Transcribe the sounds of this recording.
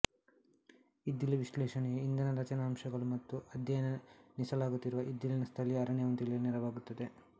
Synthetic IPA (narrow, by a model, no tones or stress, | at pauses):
id̪ːiliʋiʃlɛːʃɐɳejeind̪ɐnɐɾɐt͡ʃɐnɐːmʃɐɡɐɭumɐt̪ːuɐd̪jɐjɐnɐnisɐlaːɡut̪ːiɾuʋɐʔid̪ːilinɐst̪ʰɐliɐɾɐɳeʋɐnt̪iɭiniɾɐʋaːɡut̪ːɐd̪e̞